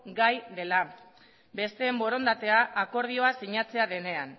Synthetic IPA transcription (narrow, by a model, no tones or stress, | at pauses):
ɡajðe̞la | be̞st̪e̞ːmbo̞ɾo̞nd̪at̪e̞aʔːko̞ɾð̞io̞asiɲat͡se̞aðe̞ne̞an